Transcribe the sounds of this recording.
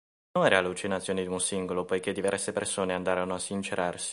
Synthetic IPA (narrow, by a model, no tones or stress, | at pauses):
oŋɛɾealut͡ʃinat̪sjoːnid̪unsiŋɡolopojked̪ivɛrsepersoːneand̪aːɾanoasːint͡ʃeɾʔarsi̥